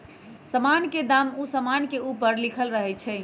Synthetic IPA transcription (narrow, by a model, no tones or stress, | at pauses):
səmanked̪amusəmankeupəɾlikʰəlɾəɦɛt͡ʃʰɛɪ